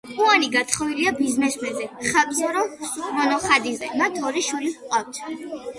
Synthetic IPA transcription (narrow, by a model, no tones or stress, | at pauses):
uaniɡat̪ʰχɔviliabiznɛsmɛzɛχakʼɔɾɔmɔnɔχad̪izɛ̰mat̪ʰɔɾiʃwulipqʼaft̪ʰ